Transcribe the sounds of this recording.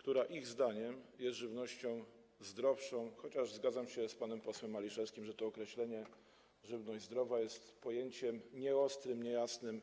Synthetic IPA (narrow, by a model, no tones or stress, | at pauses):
kt̪uɾaʔiɣzd̪aɲɛmjɛst̪ʐɘvnɔɕt͡ɕɔ̃w̃ | zd̪ɾɔfʂɔ̃w̃xɔt͡ɕaʐzɡad̪zamɕɛspanɛmpɔswɛmːalʲiʂɛfskʲimʐɛt̪ɔːkɾɛɕlɛɲɛ | ʐɘvnɔʑd͡ʑʲzd̪ɾɔvajɛst̪pɔjeɲt͡ɕɛmɲɛɔst̪ɾɘmɲɛjasnɘm